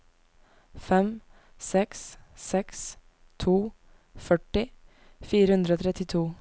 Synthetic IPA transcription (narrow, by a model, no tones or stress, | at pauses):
fɛm | sɛkssɛks | t̪ʰuː | fœʈɪ | fiːɾəhʉnd̪ɾəoːt̪ʰɾɛt̪ɪt̪ʰuː